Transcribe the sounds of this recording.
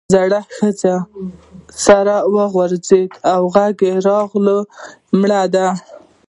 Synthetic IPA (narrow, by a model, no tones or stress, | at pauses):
zaɽaxəza | saɾawəɣwaɾzed̪awɣaɡeɾɑɣləmɽad̪a